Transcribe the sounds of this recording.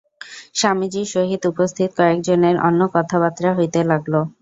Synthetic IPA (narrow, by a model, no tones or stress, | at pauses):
ʃamid͡ʑiʃoɦid̪upost̪ʰit̪̚kɔek̚d͡ʑoneɾɔ̰nːokɔt̪ʰabat̪ːɾaɦojt̪elaɡlo